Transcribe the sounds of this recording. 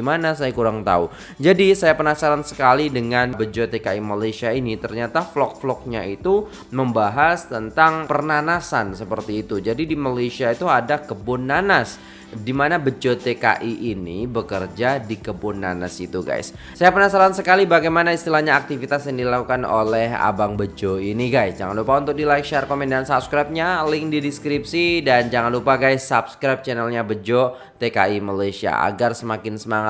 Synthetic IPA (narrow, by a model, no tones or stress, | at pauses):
manas̬ajakuɾaŋt̪a̰u | d͡ʒadisajapənasaɾansə̥kalidəŋanbəd͡ʒot̪ekaimalasiainit̪ərɲat̪aflɔk̚flɔk̚ɲait̪u | məmbaɦast̪ənt̪aŋpərnanasansəpərt̪iːt̪ud͡ʒadidimalesiait̪uadakəbʊnːanas | dimanabəd͡ʒot̪eka̰ʔiʔːnḭbəkərd͡ʒadikəbʊnːana̰sḭt̪uɡa̰js | sajapənasalansəkalibaɡajmanaist̪ilahɲaːk̚t̪ifit̪asjaŋdilakukano̰lɛɦa̰baŋbəd͡ʒoiniɡajsd͡ʒaŋanlupaunt̪ʊk̚dilajk̚ʃarkomɛndansap̚skɾap̚ɲalɪŋdidiskɾip̚sidand͡ʒaŋanlupaɡajsːap̚skɾajp̚t͡ʃɛnɛlɲabəd͡ʒo | t̪eka̰imalajsia̰a̰ɡarsəmakɪnsəmaŋat̪